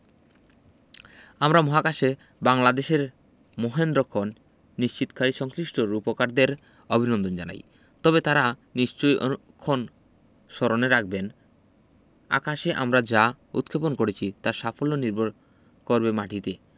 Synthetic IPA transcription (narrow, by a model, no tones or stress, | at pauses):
amɾamɔɦakaʃe | baŋlad̪eʃeɾ | moɦend̪ɾokʰːonː | iʃt͡ɕit̪o̥kaɾiʃɔŋsɾiʃʈoɾupokaɾd̪eɾ | obʱinond̪ʱond͡ʑa̰na̰j | t̪ɔbet̪aɾaniʃt͡ɕojo̰ | kʰːon | ʃɔɾoneɾak̚ʰben | a̰kaʃeʔa̰mɾad͡ʑa | ṵt̪̚kʰeponkoɾet͡ɕʰit̪aɾʃafolːoniɾbʱoɾ | koɾbemaʈʰit̪e